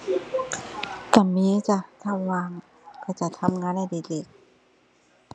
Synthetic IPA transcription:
ka˨˩miː˧˥t͡ɕa˧˩t̪ʰa˧˩waː˧˩ŋ | kaː˧˩t͡ɕa˨t̪ʰa˧mŋaː˧˥nda˧˩jde˨˩k̚de˨˩k̚

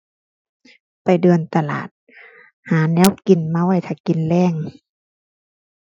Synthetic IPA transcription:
pa˨˩jdɤː˧˩nt̪a˧la̰ː˨˩t̪̚ | haː˨˦nɛː˧˥˨wki˨˩nma˧˥˨wa˧˩jt̪ʰa˧˩ki˨nlɛː˧˩˨ŋ

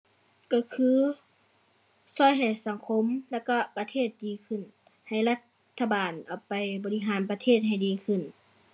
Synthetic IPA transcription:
kɔ˧˩kʰɯː˧˥ | sɔː˧˥˨jɦa˨˩jsa˧˦ŋkʰo˧˥mlɛ˧˩kɔ˧˩pa˧t̪ʰeː˧˩t̪̚diː˨˧˦kʰɯ˧˩˨n | ha˨˩jla˧t̪ʰːa˧baː˨nʔa˨˩pa˨˩jbɔː˧li˧ɦaː˨˦npa˧t̪ʰeː˧˥˨t̪̚ɦa˨˩jdiː˨˦kʰɯ˧˩˨n

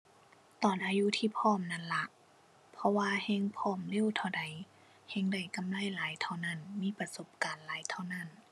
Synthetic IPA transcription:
t̪ɔː˨˩nʔaː˨˧ju˧˥t̪ʰiː˧˨pʰɔː˧˥˩mna˧˥˨nla˧ʔ | pʰɔ˧waː˧he˧˥˨ŋpʰɔː˧˩˨mli˧˥˨t̪ʰa˧˩wda˨˩j | he˧˥ŋda˧˩jka˨mla˧˥˨jlaː˨˦jt̪ʰa˧˩wna˧˥˩nmiː˧˥˨pa˧so˧˦p̚kaː˨nlaː˨˦jt̪ʰa˧wna˧˥˨n

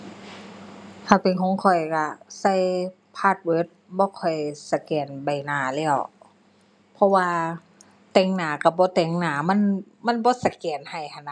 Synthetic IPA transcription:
t̪ʰaː˧˩pe˨nkʰɔː˨˦ŋkʰɔ˧˨˩jka˧sa˧˩˨j | pʰaː˧˩t̪̚wɤː˧˥t̪̚bɔː˧˦kʰɔ˨˩jsa˧˩kɛː˨˩nba˨˩jnaː˨˩lɛː˧˩˨w | pʰɔ˧˥waː˧ | t̪ɛː˧˩ŋnaː˨˩ka˧˩bɔː˧˦t̪ɛː˧˩ŋnaː˨˩ma˧˥˨nma˧˥˨nbɔː˧˦sa˧˩kɛː˨˩nha˨˩jkʰa˧˩na˧

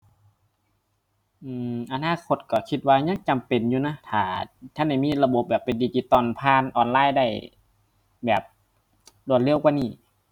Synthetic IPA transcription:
ʔɯː˧˩ʔa˧naː˧˥˨kʰo˧˦t̪̚kɔ˧˩kʰi˧t̪̚waː˧ɲa˧˥˨ŋt͡ɕa˨mpe˨njuː˧na˧˥˨t̪ʰaː˨˧˩t̪ʰa˧˥˨nda˧˩jmiː˧˥˨la˧bo˨˧˦p̚bɛː˨˩pːe˨ndiː˧t͡ɕiː˧t̪ɔː˧˩˨npʰaː˧˥˨nʔɔː˨˩nlaː˧˥˨jda˧˩j | bɛː˨˩p̚ | lu˧˩ət̪̚le˧˥˨wkwaː˧niː˧˩

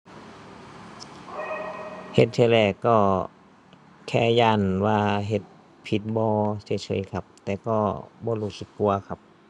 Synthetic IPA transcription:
he˧˦t̪̚sʰeː˧˩lɛː˧˩kːɔː˧˩ | kʰɛː˧˩jaː˧˩˨nwaː˧ɦe˧˦t̪̚ | pʰi˧˦t̪̚bɔː˧se˧˦t͡ɕʰɤ̰˧˨˦jkʰa˧p̚t̪ɛː˨˧˦kɔː˧˩bɔː˧˦luː˧˩sɯ˧˦kːu˧ɐkʰa˧p̚

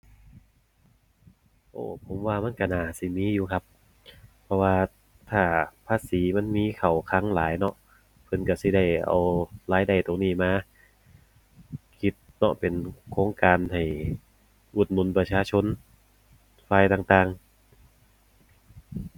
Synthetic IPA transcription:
ʔo̰ː˧˩pʰo˨˦mwaː˧ma˧˥˨nka˧˩naː˨˩si˧˩miː˧˥˨juː˧kʰa˧˥pʰː | ɔ˧waː˧ | t̪ʰaː˧˩pʰaː˧˥siː˨˦ma˧˥˨nmiː˧˥˨kʰa˨˩wkʰa˧˥˨ŋlaː˨˦jnɔ˧˥ʔ | pʰɤ˧˨nka˧˩si˧˦da˧˩jʔa̰˨wlaː˨˧˥jda˨˩jt̪o˨˩ŋniː˧˩maː˧ | kʰi˧˥t̪̚nɔ̰˧˥pe˨nkʰoː˧˥ŋkaː˨˧nha˨˩j | ʔu˨˩t̪̚nu˨˩˨npa˧t͡ɕʰaː˧t͡ɕʰo˧˥n | faː˧jt̪aː˧˩ŋt̪aː˧ŋ

